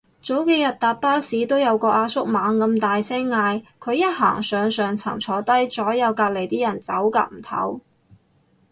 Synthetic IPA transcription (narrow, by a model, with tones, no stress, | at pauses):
t͡so˨˥wke˨˧jɐ˨t̚t̪aː˨t̚paː˥siː˨˥t̪o˥wjɐ˨˧wkɔː˧ʔaː˧sʊ˥k̚maː˨˥ŋkɐ˧mt̪aː˨jsɛː˥ŋŋaː˧jkʰɵ˨˧ɥjɐ˥t̚ɦa̰ː˨˩ŋsœː˨ŋsœː˨ŋt͡sʰɐ̰˨˩ŋt͡sʰɔː˨˧t̪ɐ˥jt͡sɔː˨˥jɐ˨˧wkaː˧k̚le˨˩jt̪iː˥jɐ˨˩nt͡sɐ˨˥wka̰ː˧k̚m̩˨˩t̪ʰɐ̰˨˥w